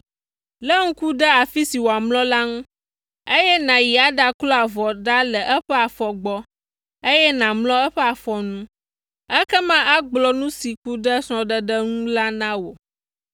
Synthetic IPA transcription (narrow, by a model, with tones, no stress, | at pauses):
lə˦ŋ̩̃˦ku˦ɖə˦a˨fi˦si˨wo˨a˨mlɔ̃˦la˦ŋũ˦ | e˦jɛ˦nã˨ji˨a˦ɖa˦klɔ˦a˨vɔ˨ɖa˦lə˨ʔɛ˦ɸɛ˦a˨fɔ˨ɡ͡bɔ˦ | e˦jɛ˦nã˨mlɔ̃˦ɛ˦ɸɛ˦a˨fɔ˨nũ˦ | ɛ˦kɛ˦mã˦ʔa˦ɡ͡blɔ˦nũ˦si˨ku˦ɖə˦sɔ̃˨ɖə˦ɖə˦ŋũ˦la˦nã˦wo˨